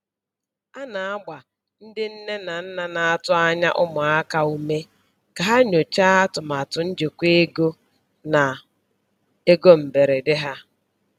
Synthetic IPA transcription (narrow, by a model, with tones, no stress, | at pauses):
a˦na˨a˦ɡ͡ba˨ | n̩˦dɪ˦n̩˦ne˦na˨n̩˦na˨na˨a˦tʊ˦a˦ɲa˦ʔʊ˦mʊ˨a˦ka˦u˦me˦ | ka˨ɦa˦ɲo˨t͡ʃa˦a˦tʊ˨ma˨tʊ˨n̩˦d͡ʒe˨kʷe˦ɡo˦ | na˨ | e˦ɡo˦m̩˨be˨ɾe˨dɪ˦ɦa˦